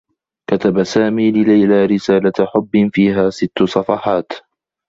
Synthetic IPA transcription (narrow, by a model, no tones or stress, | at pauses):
kat̪abasaːmiːlɪlajlaːɾɪsaːlaħʊbːɪnfiːɦaːsɪt̪ːʊsˤɑfɑħɑːt̪